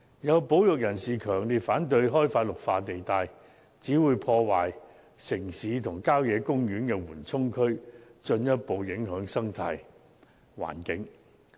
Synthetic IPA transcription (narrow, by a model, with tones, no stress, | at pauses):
jɐ˨˧wpo˨˥wjʊ˨k̚jɐ˨˩nsiː˨kʰœː˨˩ŋliː˨t̚faː˨˥nt̪̬ɵ˧ɥɦɔː˥jfaː˧t̚lʊ˨k̚faː˧t̪e˨jt̪aː˧j | t͡siː˨˥wuː˨˧jpʰɔː˧waː˨j | sɪ˨˩ŋsiː˨˧t̪ʰʊ˨˩ŋkaː˥wjɛː˨˧kʊ˥ŋjyː˨˥nkɛː˧wuː˨˩nt͡sʰʊ˥ŋkʰɵ˥ɥt͡ʃɵ˧njɐ˥t̚po˨˧wjɪ˨˥ŋɦœː˨˥ŋsɐ˥ŋt̪ʰa̰ː˧j | wa̰ː˨˩nkɪ˨˥ŋ